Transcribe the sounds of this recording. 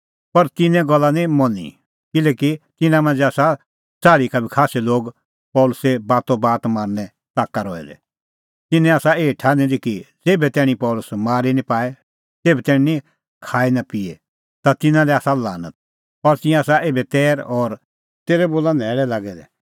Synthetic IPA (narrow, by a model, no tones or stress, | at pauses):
pɐɾt̪ɪnɛ̃ɡɔlːanimɔnḭ | kɪlɛːkit̪ɪnãmɐ̃nd͡zeaːsa | saːɾikabʱikʰaːsiloːɡ | pɔːlʊsebaːt̪õbaːt̪maːɾnɛ | taːkːaɾɔɛ̰d̪ɛ̰ | t̪ɪnɛ̃aːsaeːʈʰanĩd̪ikid͡zeːbɛt̪ɛːɽ̃ĩpɔːlʊsmaːɾinĩpaːɛ | t̪eːbɛt̪ɛːɽ̃ĩnĩ | kʰaːinapiḛ | t̪at̪ɪnãlɛaːsalaːnət̪̚ | ɔɾt̪ɪ̃ɛ̃aːsaʔeːbɛt̪ɛːɾɔːɾ | t̪eːɾɛboːlanɛːɽɛlaːɡɛd̪ɛ̰